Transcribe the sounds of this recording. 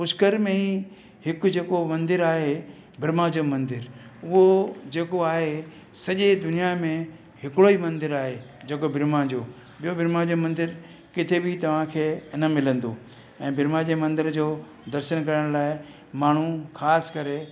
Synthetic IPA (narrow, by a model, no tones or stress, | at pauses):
ʊskəɾmẽi | hɪkʊ̆d͡ʑeːkomɐ̃nd̪ɪɾaːɦe | bʱɪɾmad͡ʑomɐ̃nd̪ɪɾʊɦod͡ʑeːkoaːɦe | sɐʄed̪ʊnijamẽ | hɪkɽoimɐ̃nd̪ɪɾaːɦe | d͡ʑeːk̬obʱɪɾmad͡ʑoː | ɓijobʱɪɾmad͡ʑomɐ̃nd̪ɪɾ | kɪt̪ʰebɪt̪ɐʋ̤ãkʰeːnəmɪlə̃nd̪o | ɛ̃ːbʱɪɾmad͡ʑemɐ̃nd̪ɪɾd͡ʑoː | d̪ɐɾʃəñkɐɾəɽ̃laːɪ | maːɳ̤uxaːskɐɾe